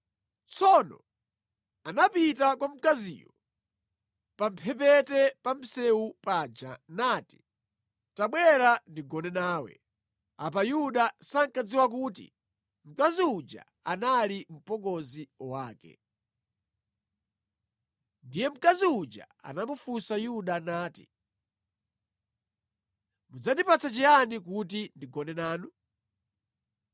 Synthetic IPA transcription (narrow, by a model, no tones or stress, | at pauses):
t͡sɔnɔ̰ | anapitakwam̩kazḭjɔ | pam̩pʰɛp̬ɛtɛpam̩sɛupaːd͡ʒa̰naːti̥ | taɓwɛɾandiɡɔnɛnaːwɛ̰ | apajuɗasaŋkad͡ziwak̬uːtḭ | m̩kaziud͡ʒa̰ | analim̩pɔɡɔziɔwaːkɛ̰ | ndijɛm̩kaziud͡ʒa̰ | a̰namufusajuɗanaːti̥̰ | mud͡zandipat͡sat͡ʃijanikut̬indiɡɔnɛnaːnu